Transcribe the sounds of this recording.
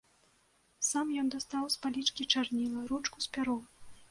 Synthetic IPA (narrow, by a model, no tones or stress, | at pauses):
samjɔnd̪ast̪awspalʲit͡ʂkʲit͡ʂarnʲilˠɐɾut͡ʂkusʲpʲaɾɔ